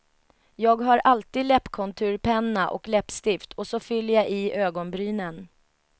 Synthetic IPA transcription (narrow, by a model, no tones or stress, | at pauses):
jɑːɡɦaɾalt̪iːd̪lɛpːkʰɔnt̪ʰʉ̟ːɾpʰɛnːaʔɔ̰klɛpst̪ɪft̪ʰɔsɔfʏlːəjaʔɪøːɡɔnbɾyːnən